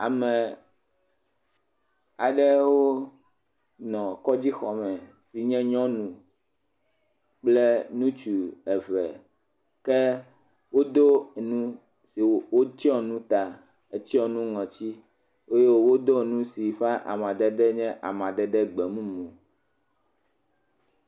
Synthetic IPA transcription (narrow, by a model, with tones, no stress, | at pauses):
a̰˨mɛ̃˨ | a˨ɖɛ˦wo˦ | nɔ̃˨kɔ˦d͡ʑi˦xɔ˨mɛ̃˨ | si˨ɲɛ̃˦ɲɔ̃˦nũ˨ | k͡plɛ˦nũ˦t͡ʃu˨ɛ˨vɛ̰˨ | kɛ˦ | wo˦d̪o˦nũ˦ | si˨wo˦t͡ʃi˦ɔ˦nũ˦t̪a˨ | e˨t͡ɕi˦ɔ˦nũ˦ŋɔ̃˨t͡ɕi˦ | e˦je˦wo˦wo˦d̪o˦˨nũ˦si˨fa˦ʔa̰˨mã˨ɖɛ˦ɖɛ˦ɲɛ̃˦ʔa̰˨mã˨ɖɛ˦ɖɛ˦ɡ͡bɛ˨mũ˦mũ˨